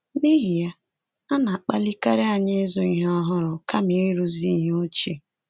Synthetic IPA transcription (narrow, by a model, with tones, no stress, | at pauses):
ni˦ɦi˨ja˦ | a˦na˨a˨k͡pa˦li˦ka˦ɾe˦a˦˨ɲe˦zʊ˨i˨ɦɔ˦ɦʊ˦ɾʊ˨ka˦mi˨˦ɾi˦ɾu˦zi˦˨ɦo˦t͡ʃi˨